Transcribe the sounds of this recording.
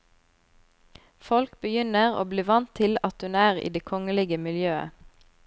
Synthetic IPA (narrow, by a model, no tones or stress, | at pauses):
fɔlkbəjʏnəʁo̰ːbliːʋɑnt̪ʰɪlɑt̪hʉnæːʁḭːd̪eːkʰɔŋəlɪɡəmɪljøːə̰